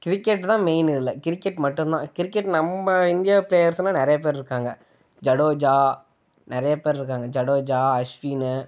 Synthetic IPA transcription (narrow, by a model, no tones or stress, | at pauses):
kɪɾɪkːɛʈːt̪ãːmeɪnɪðɪlːɐkɪɾɪkːɛʈmɐʈːʊ̃nt̪ãːkɪɾɪkːɛʈːnɐmbɐɪnd̪ɪjapɪleːjɐɾsnːãnɪɾɐjɐp̬eːɾɾɯkːaːŋɡɐ | d͡ʒɐɽoːd͡ʒaː | nɪɾɐjɐpeːɾɾɯk̬ːaːŋɡɐd͡ʒɐɽoːd͡ʒaːɐʂʋiːnɯ